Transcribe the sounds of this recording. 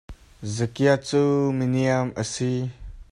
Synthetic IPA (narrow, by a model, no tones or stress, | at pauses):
zəkiat͡suminiəməsi